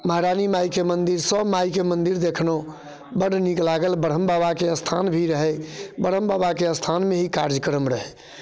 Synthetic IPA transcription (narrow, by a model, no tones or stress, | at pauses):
maɾanimajkemənd̪iɾsəbmajkemənd̪iɾd̪ekʰno | bəɽniklaɡəlbəɽ̤əmbabakeəst̪ʰanbʱiɾəɦɛbəɽ̤əmbabakeəst̪ʰanmeɦikaɾd͡ʒəkəɾəmɾəɦɛ